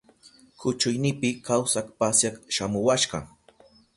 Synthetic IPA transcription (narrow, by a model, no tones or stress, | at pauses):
kʰʊt͡ʃʊjnɪpɪkawsakpasjakʃamʊwaʃɢɑ̰